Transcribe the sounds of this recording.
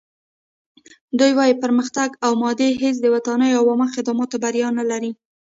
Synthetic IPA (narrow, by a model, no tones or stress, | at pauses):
d̪ujwɑjipəɾməxt̪aɡawmɑd̪eɦes̬d̪əwat̪ɑnəjoawɑmaxɪd̪ɑmɑt̪obaɾjɑnalaɾi